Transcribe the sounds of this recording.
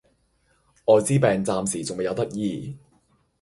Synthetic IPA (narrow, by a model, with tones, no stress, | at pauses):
ɔː˨˧t͡siː˥pɛː˨ŋt͡saː˨msiː˨˩t͡sʊ˨ŋme˨jɐ˨˧wt̪ɐ˥k̚jiː˧